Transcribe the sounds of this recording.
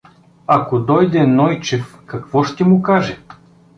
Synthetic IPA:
akod̪ɔjd̪ɛnɔjt͡ʃɛfkɐkvɔʃt̪ɛmʊkaʒɛ

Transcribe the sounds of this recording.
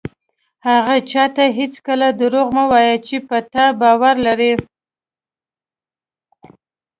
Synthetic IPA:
haɣat͡ʃɑt̪aɦɪt͡skəlad̪əɾoɣmawɑjat͡ʃepat̪abɑwaɾlaɾi

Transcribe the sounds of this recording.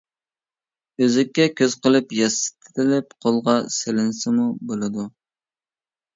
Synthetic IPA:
øzɪkʲːɛkʲʰøzqəlˠɨpjɑsɨ̥t̪ʰɪ̥t̪ɪlɪp̚qʰolˠʁɑselɪnsɪmubolˠɨd̪u

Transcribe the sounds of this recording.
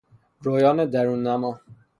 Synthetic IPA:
ɾoːjɒːned̪æɾuːnːæmɒː

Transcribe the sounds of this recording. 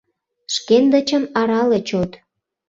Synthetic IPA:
ʃkend̪ət͡ɕə̆mɑɾɑlet͡ɕot̪

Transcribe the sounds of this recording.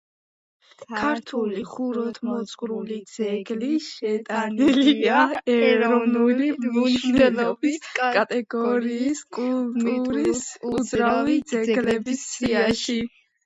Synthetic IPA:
kʰaɾt̪ʰuliχuɾɔt̪ʰmɔt̪sʼqʼɾulid̪z̥ɛɡliʃɛt̪ʼaniliaɛɾɔɔvnulimiʃnɛlɔbiskʼat̪ʼɛɡɔɾiːskʼult̪ʼuɾisud̪zɾalid̪zɛɡɡlɛbissiaʃi

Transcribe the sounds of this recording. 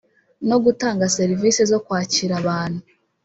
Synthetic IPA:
no̞ɡutaːŋɡase̞ɾivisezo̞kwaːciɾaβaːn̥hu

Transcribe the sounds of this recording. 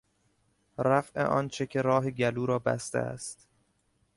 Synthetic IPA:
ɾæfʔḛʔɒːnt͡ʃʰecʲʰeɾɒːɦeɟæluːɾɒːbæ̰st̪ḛæ̰st̪

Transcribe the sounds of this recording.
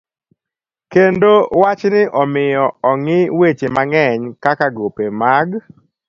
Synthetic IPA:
kendowat͡ʃnɪʔɔmɪjɔɔŋɪwet͡ʃemaŋɛɲkakaɡopemaɡ

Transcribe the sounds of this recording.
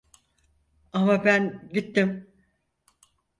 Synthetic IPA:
amabænɟit̪ːim

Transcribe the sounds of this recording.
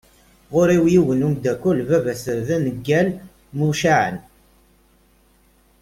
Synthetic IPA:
ʁʊɾiwjiwənumd̪ækʷulvævæsəɾðænəɡːæl | muʃaʕə̰n

